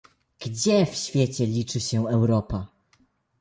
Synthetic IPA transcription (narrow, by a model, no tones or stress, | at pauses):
ɡ̥d͡ʑɛfɕfʲjɛt͡ɕɛlʲit͡ʂɘɕɛɛwɾɔpa